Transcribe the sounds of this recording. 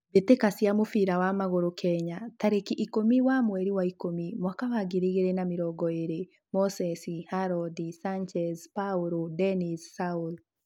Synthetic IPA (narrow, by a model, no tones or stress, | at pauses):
βetekasjamofiɾawamaɣoɾokʰɛɲataɾekiʔikomiwamwɛɾiwaikomimwakawaɡiɾiɣeɾenamiɾɔɡɔeɾe | mɔsɛsihaɾɔdisaɲt͡ʃɛzpauɾodɛnissaul